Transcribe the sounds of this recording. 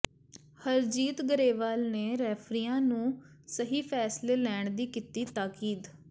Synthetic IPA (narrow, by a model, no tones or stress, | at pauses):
həɾd͡ʒiːt̪ɡəɾeːʋaːlneːɾɛːpʰɾiːãːnũː | səɦiːpʰɛːsleːlɛːɳd̪iːkiːt̪iːt̪aːkiːd̪